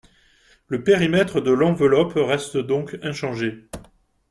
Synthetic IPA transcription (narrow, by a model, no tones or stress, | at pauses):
ləpeʁimɛt̪χəd̪əlɑ̃vəlɔpʁɛst̪d̪ɔ̃kɛ̃ʃɑ̃ʒe